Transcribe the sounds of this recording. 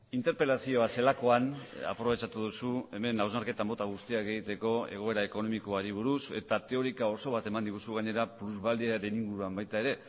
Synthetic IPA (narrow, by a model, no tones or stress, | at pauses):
int̪e̞ɾpe̞lasio̞ase̞lako̞ana̰pɾo̞βe̞t͡ʃat̪uðusue̞me̞nawzmaɾke̞t̪ambo̞t̪aɣ̞ust̪iake̞ɣit̪e̞ko̞e̞̰ɣ̞o̞e̞ɾae̞ko̞no̞miko̞aɾiβ̞uɾuse̞̰t̪at̪e̞o̞ɾikao̞so̞β̞at̪e̞mand̪iɣusuɣaɲe̞ɾapluzβald̪iaɾe̞niŋɡuɾuambajt̪ae̞ɾe̞